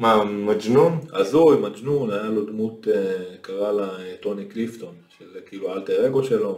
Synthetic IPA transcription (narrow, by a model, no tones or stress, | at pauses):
mamad͡ʒnunazujmad͡ʒnunajalo̞d̪mut̪ekaʁalaeto̞niklift̪o̞nʃelkiːlualt̪eʁeɡoʃelo̞